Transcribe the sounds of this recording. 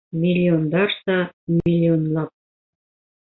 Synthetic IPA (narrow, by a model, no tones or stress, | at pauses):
mʲilʲːiond̪ɑrsɑmʲilʲːionlˠɑp̚